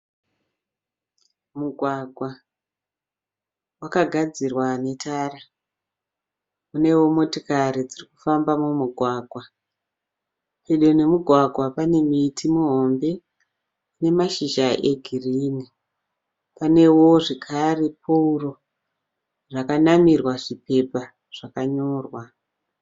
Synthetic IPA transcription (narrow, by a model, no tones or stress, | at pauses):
muɡʱwaɡʱwa | wakaɡʱad͡zirwane̞tʰaːra | kune̞wo̞motikaɾid͡ziriku̥fambamumuɡʱwaːɡʱwa | peɗone̞muɡʱwaɡʱwapane̞mitʰimuɦo̞mbe̞ | une̞maʃiʒaʔeɡʱiriːni | pane̞wo̞ʐekʰare̞pʰouro̞ | ʐakanamirwaʐipe̞pa | ʐ̥akaɲoːrwa